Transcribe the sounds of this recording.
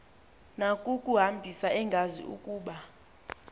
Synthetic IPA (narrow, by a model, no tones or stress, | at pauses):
nakʼukʼuɦambʱisaɛŋɡʱazḭṵkʼuːɓa